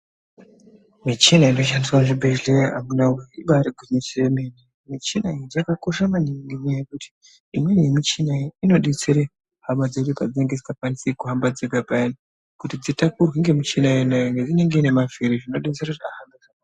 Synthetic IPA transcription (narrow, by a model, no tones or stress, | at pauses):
mit͡ʃinaino̞ʃ̬andiswaʐibʱe̞ɮea̰munaweiɓaɾiɡʱiɲiseemene | mit͡ʃinaijakako̞ʃamaniŋɡiɲajekuti̥ | imwe̞njemit͡ʃinaino̞ɗet͡se̞ɾe | hamad͡zeɗupad͡zineŋɡed͡zikakwanisekuɦambad͡zeɡabʱaini | kutid͡zitakurwiŋɡemit͡ʃinajenajoŋɡed͡zine̞ŋɡeine̞maviɾiʐino̞ɗet͡seɾeaɦambaaa